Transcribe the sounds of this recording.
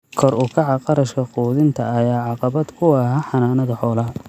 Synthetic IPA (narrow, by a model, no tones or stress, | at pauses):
kʰɔɾʊkʰɑʕɑqɑɾɐʃkʰɐquːðɪnt̪ʰɐːjaːʕɑqɑβɐd̪kʰʊɑɦɐħɑnaːnɐðɐħɔːlɐ